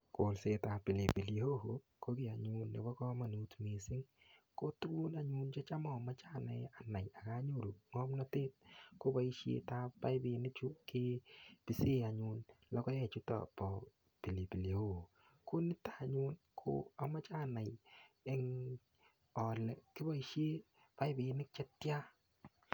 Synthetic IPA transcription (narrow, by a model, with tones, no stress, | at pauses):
ko˨˦lse˦ta˨pɪ˨le˨pi˨ljo˦ho˨˦ | ko˦kɪ˦˨a˨ɲʊ˨nːe˨bɔ˦kɔ˦ma˨nu˦tme˨sɪ˦ŋko˦tu˦lu˦na˨ɲu˦nt͡ʃe˦t͡ʃa˦mɔ˨ma˦t͡ʃa˦˨nɛ˨a˨na˨ja˨ka˦ɲo˦˨ɾu˨ŋɔ˦mnɔ˦te˦t̚ko˦ba˦i˦ʃjḛ˨ta˦ba˦ɪ˦bɪ˨nɪ˦t͡ʃu˦ke˦pi˨se˦a˨ɲu˨nlɔ˦kɔ˦jɛ˨t͡ʃu˦tɔ̰˨pɔ˨ | pi˨li˨pi˨le˨o˨ | ko˦nɪ˦tḁ˨ɲu˦n | kʰo̰˦a˨ma˦t͡ʃa˦˨na˨jɪ˨˦ŋ | ɔ˨lɛ˨kɪ˦bɔ˦i˦ʃje˦ | pa˦jbɪ˨nɪ˦k̚t͡ʃɛ˦tja˦